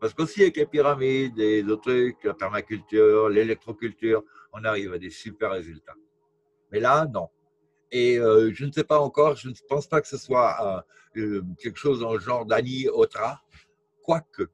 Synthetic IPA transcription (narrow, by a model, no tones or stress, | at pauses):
paʁsə̥kosiavɛklepiʁamid̪ezot̪χyklapɛʁmakʲylt̪yʁlelɛk̚t̪χokʲylt̪yːʁɔ̃naʁivad̪esypɛʁːezylt̪a | mɛlanɔ̃ | eøʒənəsɛpaɑ̃kɔʁʒənəpɑ̃spakə̥səswã | kʲɛlkə̥ʃozd̪ɑ̃əʒɑ̃ʁd̪aniot̪χa | kwakə